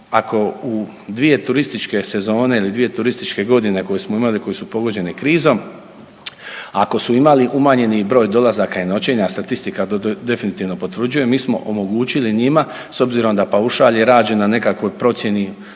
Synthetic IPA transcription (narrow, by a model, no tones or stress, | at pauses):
ako̞u | d̪ʋije̞t̪uɾist̪it͡ʃke̞se̞zo̞ːne̞ilid̪ʋije̞t̪uɾist̪it͡ʃke̞ɡo̞d̪ine̞ko̞jesmoimaliko̞jesupo̞ɡo̞d͡ʑe̞nikɾiːzo̞m | a̰ko̞suimaliʔumaɲe̞nibɾo̞ːjd̪o̞lazakaino̞t͡ɕeɲast̪at̪ist̪ikat̪od̪e̞finit̪iːʋno̞po̞t̪ʋɾr̩d͡ʒuje̞mːiːsmo̞̰ʔomo̞ɡuːt͡ɕiliɲima | so̞bziɾo̞md̪apauʃaːʎeɾaːd͡ʑenane̞kakʋo̞jpɾo̞t̪sje̞ni